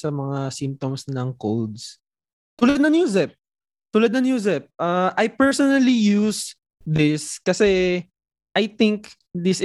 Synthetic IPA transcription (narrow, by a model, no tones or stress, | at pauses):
sɐmɐŋasɪmp̚t̪omsnɐŋkold̪s | t̪ulad̪̚nɐŋjuːzɛp̚ | t̪ulɐd̪̚nɐŋjuːzɛp̚ʔaʔɐjpɛɹsɔnɐlijus | d̪ɪskɐsɛ | ʔɐjt̪ɪŋk | ðɪs